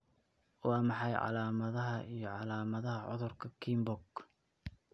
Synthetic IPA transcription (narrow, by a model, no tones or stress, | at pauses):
wɑːmɑħɑjʕɑ̰laːmɐðɐɦɐʔijɞʕɑlaːmɐðɐɦɐʕʊ̰ðʊrkʰɐkʰiːmbɔɡ